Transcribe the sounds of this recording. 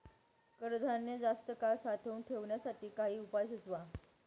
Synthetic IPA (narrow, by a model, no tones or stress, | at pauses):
kəɾd̪ʱanːjəd͡zast̪əkaɭsat̪ʰəunʈʰeʋɳjasaʈiːkaɦiːupajsət͡sʋa